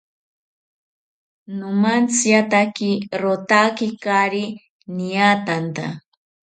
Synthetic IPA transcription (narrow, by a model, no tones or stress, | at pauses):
nomant͡sjat̪akiɾot̪akikaɾi | nijaːt̪ant̪a̰